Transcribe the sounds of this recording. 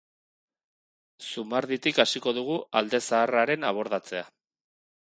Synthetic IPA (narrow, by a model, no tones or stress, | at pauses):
sumaɾðit̪ikasiko̞ðuɣ̞uʔald̪e̞saːraɾe̞naβ̞o̞ɾðat͡se̞a